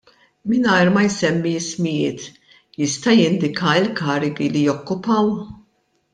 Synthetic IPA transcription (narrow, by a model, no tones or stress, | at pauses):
mɪnɐjɾmɐjsɛmːismɪjɪːt̪ | jɪst̪ɐjɪnd̪ɪkʰɐɪlkɐːɾɪɡilijɔkːʊpɐw